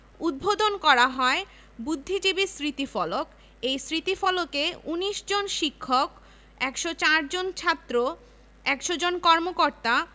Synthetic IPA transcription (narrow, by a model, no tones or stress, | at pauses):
ud̪̚bʱod̪onkɔɾaɦɔe | bud̪ʱːid͡ʑibisɾit̪ifɔlok | ejsɾit̪ifɔlokeuniʃd͡ʑonʃikʰːok | ɛkʃot͡ɕaɾd͡ʑont͡ɕʰat̪ːɾo | ɛkʃod͡ʑonkɔɾmokoɾt̪a